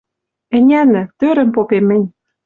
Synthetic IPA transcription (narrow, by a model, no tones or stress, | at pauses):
ɘ̆nʲænɘ̆t̪øɾɘ̆mpopemɘ̆nʲ